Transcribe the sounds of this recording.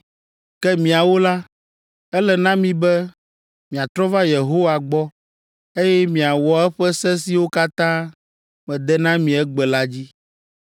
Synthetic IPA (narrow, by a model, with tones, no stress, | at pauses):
kɛ˦mĩ˨a˨wo˦la˦ | ɛ˦lɛ˨nã˦mĩ˨bɛ˦ | mĩ˨a˨t̪ɾɔ˦va˦je˨ɦo˦wa˨ɡ͡bɔ˦ | e˦jɛ˦mĩ˨a˨wɔ˨ɛ˦ɸɛ˦sɛ˦si˨wo˦ka˦t̪ã˦ | mɛ̃˨d̪ɛ˦nã˦mĩ˨ɛ˦ɡ͡bɛ˨la˦d͡ʑi˦